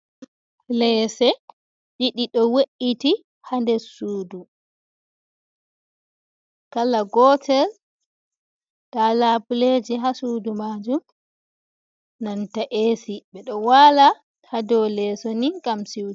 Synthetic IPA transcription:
lɛsɛ | d͡ʒiɗiɗɔweʔiti | handɛsuːdu | kalaɡɔtʰɛl | kalabuled͡ʒiɦasuːdumaːd͡ʒum | nantaʔeːsiɓɛɗɔwaːla | hadɔlɛsoniɡamsiw

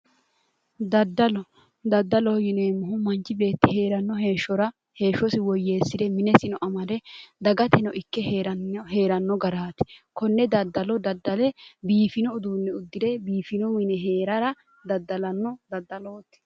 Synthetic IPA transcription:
d̪ɐd̪ːɐlɔ | d̪ɐd̪ːɐlɔjɪnemʊɦʊmɐnt͡ʃːɪbe̞ːt̪ːɪhe̞ːɾɐnːɔɦe̞ːʃːɔɾɐ | he̞ːʃːɔsɪwɔjːe̞ːsːɪd̪ɛmɪnɛsɪnɔʔɐmɐd̪ɛd̪ɐɡɐt̪ɛnɔʔɪkːɛhe̞ːɾɐnːɔɡɐɾaːt̪ɪ̥kɔnːɛd̪ɐd̪ːɐlɔd̪ɐd̪ːɐlɛbiːfɪnɔʊd̪uːnːɛʊd̪ːɪd̪ɛbiːfɪnɔmɪnɛɦe̞ːɾɐɾɐ | d̪ɐd̪ːɐlɐnːɔd̪ɐd̪ːɐloːt̪ːɪ̥

